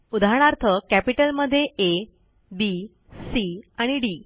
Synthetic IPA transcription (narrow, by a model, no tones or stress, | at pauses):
ud̪ʱaɽ̃aɾt̪ʰəkæpiʈəlməd̪ʱːjeʔe | bi | siaɽ̃iɖiː